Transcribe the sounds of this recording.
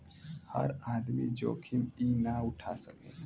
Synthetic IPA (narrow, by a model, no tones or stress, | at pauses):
hə̰ɾaːd̪mid͡ʒo̰ːkʰiminaʊʈʰa̰ːsəkẽ